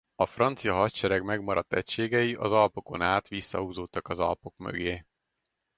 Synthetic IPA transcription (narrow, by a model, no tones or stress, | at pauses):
ɒfrɒnt̪sijɒɦɒt̪ʃɛɾɛɡmɛɡmɒɾɒt̪ːɛcʃeːɡɛjiʔɒzɒlpo̞ko̞naːt̪ʋisːɒɦuːzoːt̪ːɒkɒzɒ̰lpo̞kmø̰ɡeː